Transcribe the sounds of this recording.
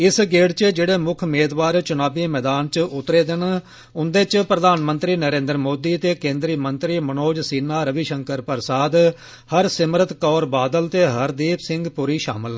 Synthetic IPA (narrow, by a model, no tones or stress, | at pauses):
ɪsɡeːɽt͡ʃəd͡ʒeːɽeːmʊkʰmeːd̪ʋaːɾt͡ʃʊnaːbiːmɛːd̪aːnt͡ʃʊt̪ːɾeːd̪ɪn | ʊnd̪eːt͡ʃpɾəd̪aːnmə̃nt̪ɾiːnəɾẽːnd̪əɾmoːd̪iːt̪eːkẽːnd̪ɾiːmənt̪ɾiːmənoːd͡ʒsiːnaːɾəʋiʃəŋkəɾpəɾsaːd̪ | həɾsɪmɾət̪kɔːɾbaːd̪əlt̪eːɦəɾd̪eːpsɪŋɡpʊɾiːʃa̰ːmɪl